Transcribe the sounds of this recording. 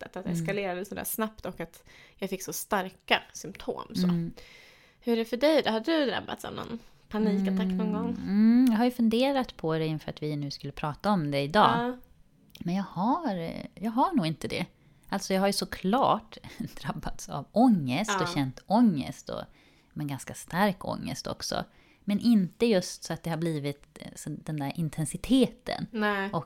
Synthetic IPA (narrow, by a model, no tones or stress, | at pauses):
t̪ːət̪at̪ɛskaleːɾad̪əsɔd̪æ̰ːʂnap̚t̪ɔkat̪jɑɡfɪkːsɔst̪aɾkasʏmt̪ʰo̰ːmso̰ː | hɵɛɖɛfœɖɛjd̪ɛhad̪d̪ɵd̪ɾa̰bːa̰t̪sa̰vnɔ̰n | pʰaniːkaaɔnɡɔŋ̩ːjɑːɡɦaɾjɵfɵnd̪eːɾat̪pʰɔd̪ɛɪnːfœːɾat̪vɪnʉ̟ːskɵlːəpʰɾɑːt̪aɔmd̪ɛɪd̪ɑː | mɛnjɑːɡhaɾjɑːɡɦaɳuːɡɪnt̪əd̪ɛ̰ | ʔalt̪sɔjɑɡɦaɾjɵsɔkʰlɑ̰ːʈd̪̥ɾabːat̪sa̰vɔŋːəst̪ɔɕɛnt̪ɔŋːə̰st̪ɔ̰ | mɛnɡanskast̪aɾkɔ̰ŋːə̰st̪ʰɔ̰ksɔ̰ | mɛnʔɪnt̪əjɵst̪sɔat̪̚d̪ɛhaɾbliːvɪt̪sɔd̪̥ɛnd̪æɾʔɪnt̪ʰɛnsɪt̪ʰeːt̪ʰə̰nɔk